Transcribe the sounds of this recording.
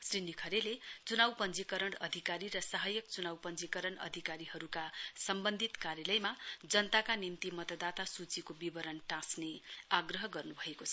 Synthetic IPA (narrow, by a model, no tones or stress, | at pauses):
srinikʰʌɾelet͡sunawpʌnd͡zikʌɾʌɳʌd̪ʱikaɾirʌsʌɦʌjʌk̚t͡sunawpʌnd͡zikʌɾʌɳʌ̰d̪ʱikaɾiɦʌɾukasʌmbʌnd̪ʱit̪kaɾjʌlʌjmad͡zʌnt̪akanimt̪imʌt̪ʌd̪at̪asut͡sikobibʌɾʌnʈãsneaɡrʌɦʌɡʌrnubʱʌekot͡sʰʌ